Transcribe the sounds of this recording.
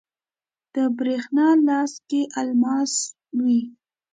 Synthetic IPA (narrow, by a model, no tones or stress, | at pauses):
d̪̥əbɾexnɑlɑskeʔalmɑs | wi